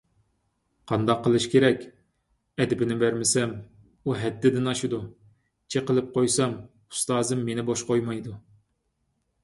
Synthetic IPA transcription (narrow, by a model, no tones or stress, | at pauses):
qʰɑnd̪ɑqʰːəlˠɨʃkʲeɾɛkʲ | ɛd̪ɪbɪnɪbæɾmɪsɛm | uɦɛd̪ːɪd̪ɪnɑʃud̪u | t͡ʃʰeqəlˠɨp̚qʰojsɑm | u̥st̪ɑːzɨmːenɪboʃqojmɑjd̪u